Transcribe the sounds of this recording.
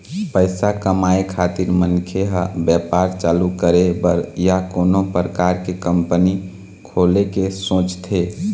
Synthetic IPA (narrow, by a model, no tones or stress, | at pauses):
pəɪsakəmaːekʰat̪iɾmənkʰeɦəbjɛpaɾt͡ʃaːlukəɾebəɾjakoːnopɾəkaːɾkekəmpəni | kʰoːlekesõːt͡ʃt̪ʰe